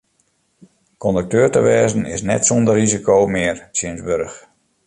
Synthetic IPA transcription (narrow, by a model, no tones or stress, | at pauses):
kɔndək̚tøːrtəʋɛːzən̩ɪ̰snɛtsɔndərrizikʰowmɪərsjɪnzbørx